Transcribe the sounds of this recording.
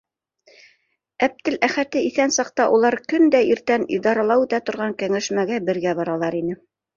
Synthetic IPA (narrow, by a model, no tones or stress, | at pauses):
æp̚t̪ɘlæχæt̪ɘiθænsɑq̚t̪ɑʔulˠɑɾkɵnd̪æiɾt̪ænḭd̪ɑɾɑlˠɑwʉ̆t̪æt̪ŏɾʁɑŋkæŋæʃmæɡæbɘ̆ɾɡæbɑɾɑlˠɑɾinɘ